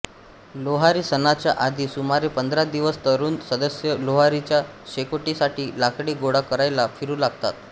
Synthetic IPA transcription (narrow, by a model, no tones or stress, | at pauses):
loɦaɾiːsənat͡ɕja̰ʔad̪ʱiːsumaɾepənd̪ɾad̪iʋəst̪əɾuːnsəd̪əsjəloɦaɾit͡ɕjaɕekoʈisaʈiːlakɽiːɡoɽakəɾajlafiɾuːlaɡt̪a̰t̪